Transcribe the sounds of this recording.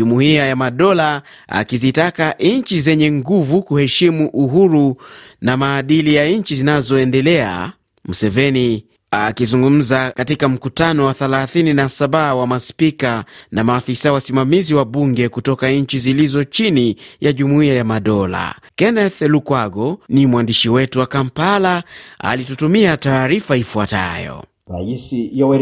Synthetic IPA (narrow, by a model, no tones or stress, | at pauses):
umuiajamaɗɔla | a̰kizitakaʔɲt͡ʃizɛɲɛŋɡuvukuhɛʃimuʔuɦuɾunamaːɗilijaɲt͡ʃizinazɔɛndɛlɛa̰ | m̩sɛvɛni | akizuŋɡum̩zakatikam̩kutanɔwaθɛlaθininasaɓawamaspikanamaːfisawasimamiziwaɓuŋɡɛkutɔkaɲ̩t͡ʃizilizɔt͡ʃinijaʄumuiajamaɗɔla̰kɛnɛθlukwaɡɔnimwandiʃiwɛtuwakampalaa̰litutumiataːɾifaifuata̰jɔ̰ | ɾaisijawɛ